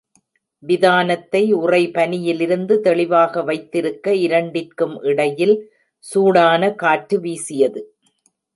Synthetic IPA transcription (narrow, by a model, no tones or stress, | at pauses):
ʋɪðaːnɐt̪ːɐɪʊrɐɪpɐnɪjɪlɪɾɯnd̪ɯt̪ɛɭɪʋaːɣɐʋɐɪt̪ːɪɾɯkːɐɪɾɐɳɖɪrkɯmʔɪɽɐjɪl | suːɽaːnɐkaːʈːɯʋiːsɪjɐðɯ